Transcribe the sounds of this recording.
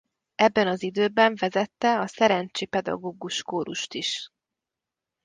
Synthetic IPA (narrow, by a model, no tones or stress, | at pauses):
ɛbːɛnɒzid̪øːbɛɱvɛzɛt̪ːɛɒsɛɾɛnt͡ʃeːpɛd̪ɒ̰ɡoːɡuʃkoːɾuʃt̪iʃ